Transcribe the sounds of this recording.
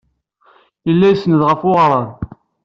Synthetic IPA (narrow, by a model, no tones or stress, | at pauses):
jəlːæjsːnəðʁəfʊʁɾˤən